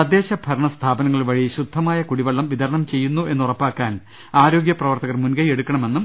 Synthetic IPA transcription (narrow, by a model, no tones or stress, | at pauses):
ɐd̪je̞ːɕɐbʱɐɾɐɳɐst̪ʰaːbɐnɐŋːɐɭiʋɐɻijɕud̪ʱːɐmaːjɐkuɽiʋɐɭːɐmʋid̪ʱɐɾɐɳɐmt͡ɕe̞jːunːue̞nːurɐpːaːkːaːn | aːɾo̞ːɡjɐprɐʋɐrt̪ɐɣɐrmunɡɐje̞ɽukːɐɳɐme̞nːum